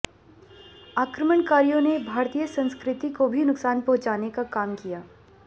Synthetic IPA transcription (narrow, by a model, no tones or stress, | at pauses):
aːkɾəməɳkaːɾijõnebʱaːɾt̪ijəsɐ̃nskɾɪt̪ikobʱinʊksaːnpɐ̃ɦʊ̃t͡ʃaːnekakaːmkijaː